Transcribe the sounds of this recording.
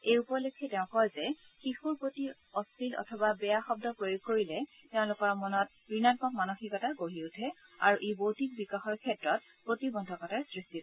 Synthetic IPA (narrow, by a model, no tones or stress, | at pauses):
ejupɔlokʰːɛtɛʊ̃kɔjzɛ | xixuɹpoti | ɔstʰilɔ̰tʰɔbabɛjaxɔb̚dɔpɹojuɡ̚koɹilɛ | tɛʊ̃lʊkɔɹmɔnɔt̚bɹinankɔkmanoxikɔtaɡoɦiutʰɛ | a̰ɹuʔebowtik̚bikaxɔɹkʰɛtɹɔt̚ | pɹotibɔndʱɔkɔtasɹistit